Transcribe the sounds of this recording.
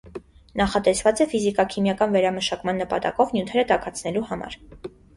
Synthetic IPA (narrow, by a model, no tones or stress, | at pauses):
nɑχɑt̪ɛsvɑt͡sɛfizikɑkʰimjɑkɑnvɛɾɑməʃɑkmɑnːəpɑ̰t̪ɑ̰kɔvnjut̪ʰɛɾət̪ɑkʰɑt͡sʰnɛluhɑmɑ̰ɾ